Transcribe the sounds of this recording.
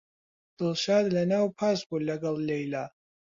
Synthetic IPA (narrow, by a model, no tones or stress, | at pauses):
d̥ɨlʃaːd̪lɐnawpʰazɡʷulɐɡɐllejla